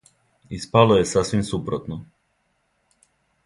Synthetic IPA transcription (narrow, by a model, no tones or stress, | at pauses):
ispaloje̞sasʋimsupɾot̪no